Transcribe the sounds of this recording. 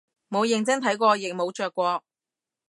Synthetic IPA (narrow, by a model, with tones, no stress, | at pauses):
mo˨˧wjɪ˨ŋt͡sɐ˥ŋt̪ʰɐ˨˥jkʷɔː˧jɪ˨k̚mo˨˧wt͡ʃœː˧kʷːɔː˧k̚